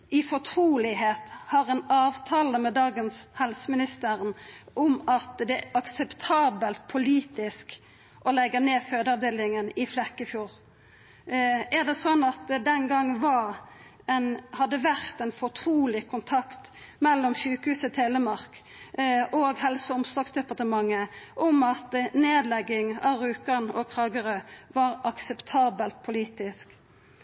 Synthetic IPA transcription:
ɪfɔʁt̪ʰɾuːlɪɦeːt̪hɑʁɛnɑːʋt̪ʰɑːləmɛd̪ɑːɡənshɛlsəmɪnɪst̪əʁənʔɔmɑt̪d̪ɛɑksɛpt̪ʰɑːbəlt̪̚pʰʊliːt̪ɪsk | ʔɔlɛɡːəneːføːd̪əɑʋd̪eːlɪŋənɪflɛkːəfjuːʁ | ʔæʁd̪ɛsɔnːɑt̪d̪ɛnɡɑŋːʋɑʁ | ɛnhɑd̪ːəʋæʁt̪ɛnfɔʁt̪ʰɾuːlɪkʰʊnt̪ʰɑkt̪mɛlːɔmçʉːkəhʉːsət̪ʰeləmɑʁk | ʔoːɡɦɛlsəʊmsɔksd̪ɛpɑʁt̪əmɑŋːəʔɔmɑt̪neːd̪lɛɡːɪŋɑːʋʁʉːkəʁnɔkʰlɑːɡəʁəʋɑʁɑksɛpt̪ʰɑːbəlt̪̚pʰʊliːt̪ɪsk

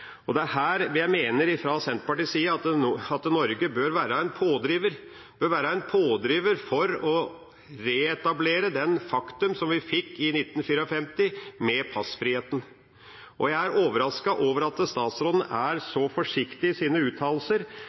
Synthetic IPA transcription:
ɔd̪ɛæɾɦæːɾʋjæɪmeːnəɾɪfɾɑsɛnt̪pɑʈɪːsiːəɑt̪ɑt̪nɔɾɡəbøːɾʋæːɾəæɪnpʰoːd̪ɾiːʋəɾ | b̥øːɾʋæːɾəæɪnpʰoːd̪ɾiːʋəɾfɔɾɔ | ɾeɛt̪ɑbleːɾəd̪ɛnfɑkt̪ʉmsɔmʋɪfɪkːɪnɪt̪ːn̩fiːɾəɔfɛmt̪ɪmɛpʰɑsfɾiːheːt̪n̩ | ʔɔjæɪæɾʔoːʋəɾɑskɑʔoːʋəɾɑt̪əst̪ɑːt̪sɾɔd̪nʔæɾsɔfɔʂɪkt̪ɪsiːnəʉːt̪ʰɑːlsəɾ

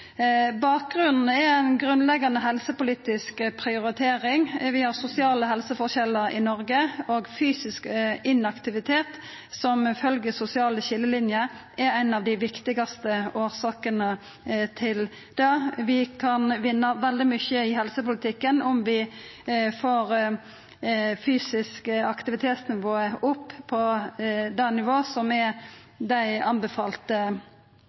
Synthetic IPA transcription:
bɑːk̚ɡʁʉnn̩ɛæɪnɡɾʉnlɛɡɑnəɦɛlsəpʊliːt̪ɪskpʰɾɪʊɾɪt̪ʰeːɾɪŋʋɪhɑʁsʊsɪɑːləɦɛlsəfɔɾɕɛlːəɾɪ̰nɔɾɡəoːɡfyːsɪskɪnɑkt̪ɪʋɪt̪ʰeːt̪ | sɔmfœlɡəsʊsɪɑːləɕɪlːəlɪnjəʔɛɾæɪnɑʋd̪ɪʋɪkt̪ɪɡɑst̪əoːɾsɑːkənə | t̪ʰɪl | d̪̥ɛʋɪkʰɑnʋɪnːəʋɛld̪ɪmʏçəɪhɛlsəpʊlət̪ʰɪkːənɔmʋɪ | foːɾ | fyːsɪskəɑkt̪ɪʋɪt̪ʰeːt̪snɪʋoːəʊpːʰɔd̪ɑnɪʋoːsɔmɛ | d̪æɪɑnbəfɑːlt̪ə

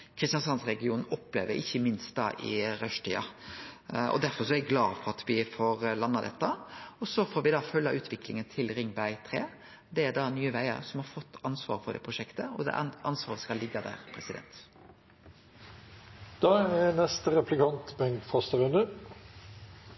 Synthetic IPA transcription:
kʰɾɪst̪jɑnsɑnsɾɛɡɪuːnn̩ɔpːleːʋəɾɪçːəmɪnst̪̚d̪ɑ̰ːʔɪ̰ɾœʂʈ̪ʰiːɑ | ɔ̰d̪æɾfɔɾsɔæɾɡlɑːfɔɾɑt̪ʰʋɪfoːɾlɑnːɑd̪ɛt̪ːəɔsɔfoːɾʋɪd̪ɑːfœlːɑʔʉːt̪ʰʋɪklɪŋənt̪ʰɪlɾɪŋbæɪt̪ʰɾḛː | d̪ɛæd̪ɑːnyːəʋæɪə̰ɾsɔmhɑɾfɔt̪ːɑnsʋɑ̰ːɾfɔɾd̪ɛ̰ːpʰɾʊʂɛkt̪əɔd̪ɛ̰ʔʔɑnsʋɑːɾəskɑlːɪɡːɑd̪æ̰ːɾpʰɾɛsɪd̪ɛ̰nt̪ | d̪̥ɑːɛnɛst̪əɾɛpʰlɪkʰɑnt̪bɛŋkfɔst̪əɾʉnd̪ə

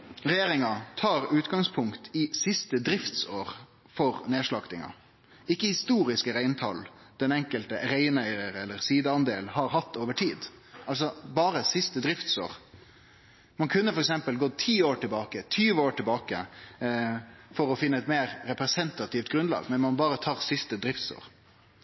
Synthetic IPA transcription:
ɾɛjeːɾɪŋɑt̪ʰɑːɾʉːt̪ɡɑŋspʰʊŋkt̪ʰɪsɪst̪əd̪ɾɪft̪soːɾ | fɔɾneːʂɭɑɡt̪ɪŋɑ̰ | ɪkːəhɪst̪uːɾɪskəɾæɪnt̪ʰɑl | d̪̥ɛnɛŋkəlt̪əɾæɪnæɪɾəɾɛlːəɾsiːd̪əɑnd̪eːlhɑɾɦɑt̪ːoːʋəʈʰiːd̪ | ʔɑls̬ɔbɑːɾəsɪst̪əd̪ɾɪft̪so̰ːɾ | mɑnkʰʉnːəfɔɾɛksɛmpəlɡot̪ʰiːoːʈɪlbɑːkət̪ʰyːʋəoːʈɪlbɑːkə̰ | fɔɾɔfɪnːəɛt̪meːɾɾɛpɾɛsɛnt̪ɑt̪ɪːft̪̚ɡɾʉnlɑ̰ːɡmɛnmɑnbɑːɾət̪ʰɑːʁsɪst̪əd̪ɾɪft̪so̰ːɾ

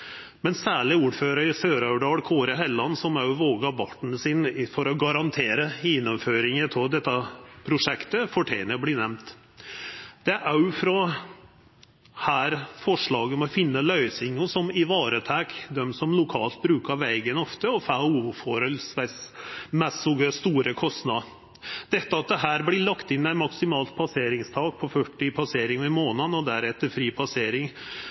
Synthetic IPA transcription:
mɛnsæːɭɪuːɾføːɾəɾɪsøːɾɑʉɖɑːɽkʰoːɾəɦɛlːɑnsɔmɑʋoːɡɑbɑʈɳ̩sɪnfɔɾɔɡɑɾɑnt̪ʰeːɾəɪnːɔmføːɾɪŋət̪ʰɔd̪ɛt̪ːɑpʰɾʊʂɛkt̪əfɔʈʰæɪnəblɪnɛmt̪ | d̪̥ɛʔɑʉfɾɔ | hæːɾfɔʂɭɑːɡəmɔfɪnːəlœʏsɪŋʊsɔmɪʋɑːɾət̪ʰæːkd̪ɛmsɔmlʊkʰɑːlt̪̚bɾʉːkɑʋæɪɡənɔft̪əɔfæuːfɔɾəlsʋæsmɛsʊɡəst̪uːɾəkʰɔst̪nɑ | d̪̥ɛt̪ːəɑt̪̚d̪ɛɦæːɾblɪlɑkt̪ɪnːæɪnmɑksɪmɑːlt̪̚pʰɑseːɾɪŋst̪ʰɑːɡ̚pʰɔfœʈːɪpʰɑseːɾɪŋʋɛmoːnɑnɔd̪æɾɛt̪ːəɾfɾiːpʰɑseːɾɪŋ

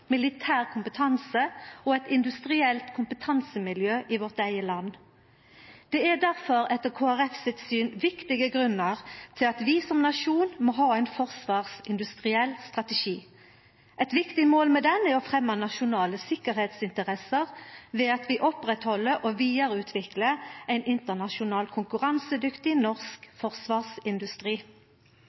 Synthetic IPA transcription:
mɪlɪt̪ʰæːʁkʰʊmpət̪ʰɑnsəɔɛt̪ɪnd̪ʉst̪ʁɪɛlt̪kʰʊmpət̪ʰɑnsəmɪljøːʔɪʋɔʁt̪æɪəlɑnː | d̪̥ɛæd̪æʁfɔʁɛt̪ːəʁkʰoːæʁɛfsɪt̪syːnʋɪkt̪ɪɡəɡʁʉnːəʁt̪ʰɪlɑt̪ʋɪsɔmnɑʃuːnmɔɦɑːæɪnfɔʁsʋɑːʁsɪnd̪ʉst̪ʁɪɛlst̪ʁɑt̪əʃiː | ʔɛt̪ʋɪkt̪ɪmoːlmɛd̪ɛnːəɔfʁɛmːɑnɑʃʊnɑːləsɪkəʁheːt̪sɪnt̪əʁɛsəʁʋɛːɑt̪ʋɪʔɔpʁɛt̪hɔlːəʔoʋiːɑɾəʉːt̪ʰʋɪkləæɪnɪnt̪əʁnɑʃʊnɑːlkʰʊŋkʉʁɑnsəd̪ʏkt̪ɪnɔʁskfɔʁsʋɑːʁsɪnd̪ʉst̪ʁiː

